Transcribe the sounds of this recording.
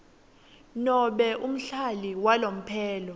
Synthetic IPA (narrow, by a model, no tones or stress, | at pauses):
nɔɓɛʔum̩ɬaliwalom̩pʰɛːlɔ